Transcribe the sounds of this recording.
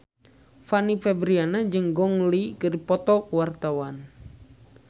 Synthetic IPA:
fanifɛbɾianad͡ʒɨŋɡɔŋlikɨdipɔt̪ɔkuwart̪awan

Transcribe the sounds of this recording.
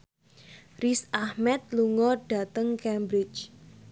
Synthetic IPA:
risahmɛt̪̚luŋɔɖ̥a̤t̪əŋkɛmbɾɪt͡ʃ

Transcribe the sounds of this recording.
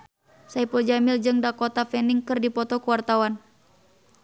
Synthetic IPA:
saipuld͡ʒamɪld͡ʒɨŋdakot̪afɛniŋkɨrdipɔt̪ɔkuwart̪awan

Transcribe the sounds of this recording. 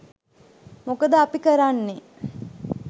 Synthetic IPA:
mokəd̪əapikəɾanːe

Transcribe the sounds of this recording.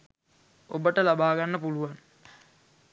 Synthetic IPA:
obəʈəlabaːɡanːəpuluʋan

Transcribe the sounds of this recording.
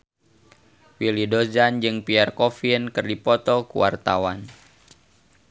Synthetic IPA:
wilidozand͡ʒɨŋpiarkɔfinkɨrdipɔt̪ɔkṵwa̰rt̪a̰wan

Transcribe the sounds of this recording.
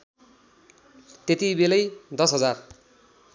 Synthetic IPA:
t̪et̪ibelʌjd̪ʌsɦʌd͡zar

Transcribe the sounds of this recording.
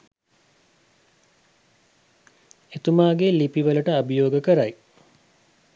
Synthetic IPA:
et̪umaːɡelipiʋələʈəabəjoːɡəkəɾaj

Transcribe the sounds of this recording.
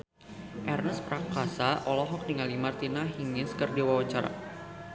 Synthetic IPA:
ʔɛrnəspɾakasaʔɔlɔɦɔk̚ndiŋalimart̪inaɦiŋɪnskərdiwawat͡ʃaɾa̰

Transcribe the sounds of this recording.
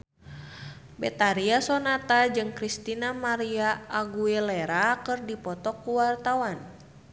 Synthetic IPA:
bɛt̪aɾiasɔnat̪ad͡ʒɨŋkɾist̪inamaɾiaʔːɡuɛlɛɾakɨrdipɔt̪ɔkːuwart̪awan

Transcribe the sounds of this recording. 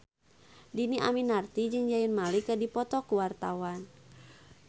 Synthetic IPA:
diniʔa̰minart̪id͡ʒɨŋd͡ʒajənmalikədipɔt̪ɔkuwart̪awan

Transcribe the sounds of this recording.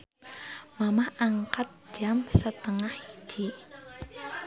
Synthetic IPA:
mamahaŋkat̪̚d͡ʒ̥amsət̪əŋahi̥d͡ʒ̥i

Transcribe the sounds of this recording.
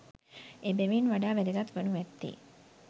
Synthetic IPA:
ebeʋenʋaɖaːʋeɾeɡat̪ʋənuʋɛt̪ːḭ

